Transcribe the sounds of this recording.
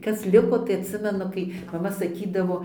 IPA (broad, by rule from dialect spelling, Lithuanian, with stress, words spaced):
ˈkɐs ˈlʲɪkoː tɐɪ ɐtʲˈsʲɪmʲɛnʊ kɐɪ mɐˈmɐ sɐˈkʲiːdɐʋoː